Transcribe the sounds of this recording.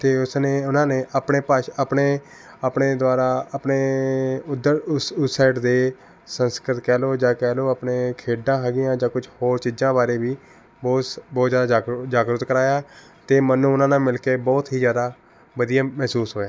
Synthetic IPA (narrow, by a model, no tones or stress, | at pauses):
t̪eːʊsneːʊnãːneːʔaːpɳeːpaʃapɳeː | apɳeːd̪waːɾaːaːpneːʊd̪əɾsʊsaːɪʈd̪eː | sənskɾət̪kɛːloːd͡ʒãːkɛːloːapneːkʰeːɖãːɦɛːɡɪjãːd͡ʒãːkʊd͡ʒʰhoːɾt͡ʃiːd͡ʒzãːbaːɾeːʋiː | bɔːbɔːt̪d͡ʒjaːd̪aad͡ʒaːɡɾʊt̪kəɾaːjaː | t̪eːmənːũːʊnãːnãːmɪlkeːbɔːt̪ɦiːzjaːd̪aː | ʋəd̪ijaːmɛːsuːsɦoːjaː